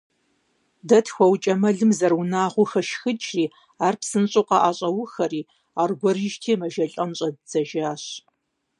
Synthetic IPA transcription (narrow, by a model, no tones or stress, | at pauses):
dɐtʰxʷɔwt͡ʃʼɐmɐɮɨmzɐrwʊnaːʁʷʊxɐʃxɨt͡ʃʼriː | aːrpsɨnɕʼʊqɑʔaːɕʼɐwʊxɐriː | aːrɡʷɔɾiʒtʰiːmɐʒɐɬʼɐmɕʼɐdz̥ɐʒaːɕ